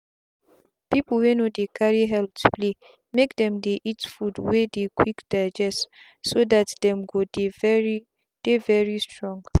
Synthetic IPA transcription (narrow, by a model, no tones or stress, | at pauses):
pipl̩wenodekʰaɹiɦɛlp̚tu̥pʰle | mekdɛ̃mdeʔitfudwedekʰwikd̥aɪd͡ʒɛst | sodatdɛ̃mɡodevɛɹi | d̥evɛɹistɹɔ̃ŋɡ